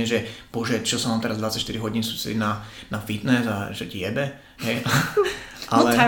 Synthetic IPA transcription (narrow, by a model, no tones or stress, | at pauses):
ɛʒɛbɔʒɛt͡ʃɔsɔmamt̪ɛɾazd̪ʋat͡sacʃt̪iɾiɦɔɟiːnsusḭnanafit̪nɛzaʒɛɟjɛbɛ | ɦɛja | ʔalɛ